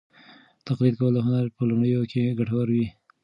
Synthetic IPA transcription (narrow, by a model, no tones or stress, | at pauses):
t̪aqlid̪̚kawəloɦʊnaɾpəlumɽəjokʰeɡaʈawaɾwi